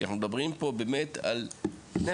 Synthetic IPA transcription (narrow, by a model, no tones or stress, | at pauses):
a̰χnumed̪abʁimpo̞beːmet̪a̰lne